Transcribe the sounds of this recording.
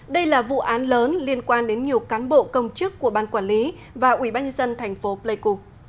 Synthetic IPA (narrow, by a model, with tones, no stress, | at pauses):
ɗə˧jlaː˨˩vṵ˧˨ʔaː˨˦nləː˨˦nli˧ənkwaː˧nɗe˨˦nɲi˨˩əwkaː˨˦nɓo̰˧˨kə˧wŋ͡mt͡ɕɨ˦˥kːu˧˩əɓaː˧˩nkwaː˧˩nli˨˦ | vaː˨˩ʔwi˧˩˨ɓaː˧nɲə˧nzə˧nt̪ʰɛ˨˩jŋ̟fo˨˦plə˧jku˧